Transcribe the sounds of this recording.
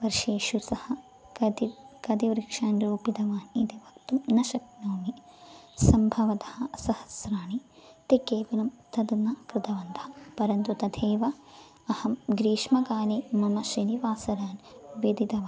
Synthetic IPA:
ʋɐɾʃeːʃusɐhɐ̆ | ikɐd̪iʋɾikʂaːnɾuːpid̪ɐʋaːnit̪iʋɐkt̪umnɐʃɐk̚noːmisɐmbʱɐʋɐt̪ɐhɐsɐhɐ̥sɾaːnit̪ikeːʋɐlɐmt̪ɐd̪unɐkɾɪt̪ɐʋɐnt̪ʰɐpɐɾɐnt̪ut̪ɐd̪ʰʱeːʋɐ | ɐhɐmɡɾiːʃmɐkaːleːmɐmɐʃɾiniʋaːsɐɾaːnʋed̪id̪ɐʋaː

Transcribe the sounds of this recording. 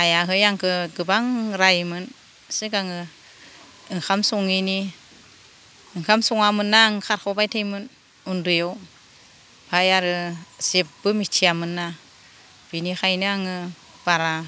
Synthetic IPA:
ajaɦɯjaŋkʰɯɡɯbaŋɾajmɯn | sekaŋɯ | ɯŋkʰamsɔŋini | ɯŋkʰamsɔŋamɯnːaŋkʰaɾkʰawbajtʰejmɯn | undɯjow | pʰajaɾɯsep̚bɯmitʰijamɯnːa | b̥inixʰajnɯaŋɯ | b̥aɾa

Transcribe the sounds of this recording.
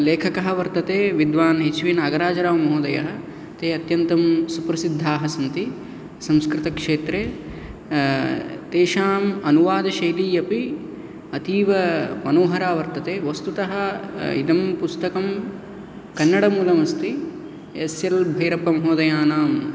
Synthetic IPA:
leːkʰɐkɐɦɐʋɐɾt̪ɐt̪eːʋid̪ʋaːnɦet͡ʃʋinaːɡɐɾaːd͡ʒɐɾaːʋmɐɦoːd̪ɐjɐ̰ɦɐ̆ | t̪eːɐt̪jɐnt̪ɐmsupɾɐsid̪ʱːaːɦɐsɐnt̪i | sɐ̃mskɾɪt̪ɐkʂeːt̪ɾeː | t̪eːʃaːmɐnuʋaːd̪ɐʃɐjliːɐpi | ɐt̪iːʋɐmɐnoːɦɐɾaːʋɐɾt̪ɐt̪eːʋɐst̪ut̪ɐɦɐḭd̪ɐmpust̪ɐkɐm | kɐnːɐɽɐmuːlɐmɐst̪i | esjɐlbʱɐjɾɐpːɐmɐɦoːd̪ɐjaːnaːm

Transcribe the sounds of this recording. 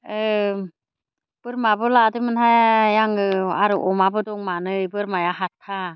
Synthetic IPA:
ɯ | b̥ɯɾmabɯladɯmɯnɦajaŋɯa̰ɾɯʔɔmabɯdɔŋmanɯjbɯɾmajaɦat̚kʰːa

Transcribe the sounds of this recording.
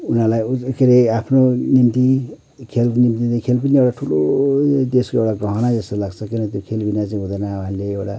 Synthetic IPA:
unalajukeɾeapʰnonimt̪i | kʰelnimt̪ikʰelp̬ʌniewʈaʈʰulod̪eskoewʈaɡʌɦʌnad͡zʌst̪olaɡt͡sʰʌkinʌt̪jokʰelbinat͡saĩɦũd̪ʌnaɦanleewʈa

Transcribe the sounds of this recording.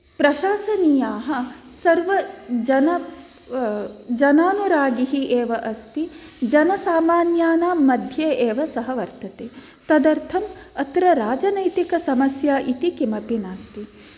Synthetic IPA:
pɾɐʃaːsɐnijaːɦɐ̆ | sɐɾʋɐd͡ʒɐnɐ | d͡ʒɐnaːnuɾaːɡiɦiʔeːʋɐʔɐst̪id͡ʒɐnɐsaːmaːnjaːnaːmɐd̪ʱjeːeːʋɐsɐɦɐʋɐɾt̪ɐt̪eː | t̪ɐd̪ɐɾt̪ʰɐmɐt̪ɾɐɾaːd͡ʒɐnɐjt̪ikɐsɐmɐsjaːʔit̪ikimɐpinaːst̪i

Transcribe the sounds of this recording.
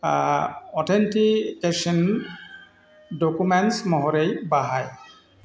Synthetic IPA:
ɔtʰentikesɔn | dokumɛnsmɔɦɔɾejbaɦaj

